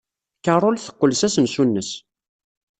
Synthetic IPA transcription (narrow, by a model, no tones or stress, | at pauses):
kərˤolθə̥qːəlsæsənsunːəs